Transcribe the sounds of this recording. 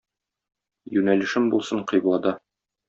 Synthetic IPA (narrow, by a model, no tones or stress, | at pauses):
jʉnælɘ̆ʃɘmbulˠsɤɴqɤ̆jblˠɑd̪ɑ